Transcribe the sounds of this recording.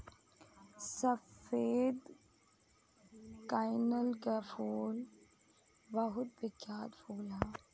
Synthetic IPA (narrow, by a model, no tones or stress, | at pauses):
sɐfeːd̪ | kaːjnəlkafuːl | bɐɦʊt̪̚bɪkjaːt̪fʰuːlɦaː